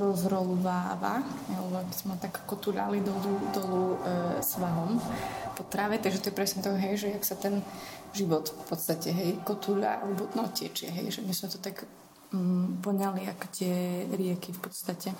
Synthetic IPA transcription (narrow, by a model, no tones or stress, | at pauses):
ɾɔzɾɔlʋaːʋa̰halɛbɔaɡbizmɛt̪akːɔt̪uʎa̰lid̪ɔlud̪ɔlusʋaɦɔmpɔt̪ɾaʋɛt̪aɡʒɛt̪ɔjɛpɾɛsɲɛt̪ɔkɦɛjʒɛjaksat̪ɛn | ʒiʋɔt̪fpɔt̪st̪acɛɦɛjkɔt̪uʎa̰alɛbɔnɔcɪɛ̰t͡ʃɪɛ̰ɦɛ̰jʒɛmizmɛt̪ɔt̪akː | pɔɲaliakɔ̥t̪ɪɛɾɪɛkifpɔt̪st̪acɛ